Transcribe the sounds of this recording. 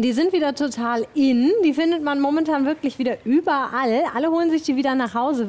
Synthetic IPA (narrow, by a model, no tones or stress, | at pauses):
d̥iːzɪntv̥iːdɐtʰotʰaːlʔɪnd̥iːfɪndətmanmɔmɛntʰaːnvɪɐklɪçv̥iːdɐʔyːbɐʔalʔaləhoːlənzɪçd̥iːviːdɐnaːχhaʊzə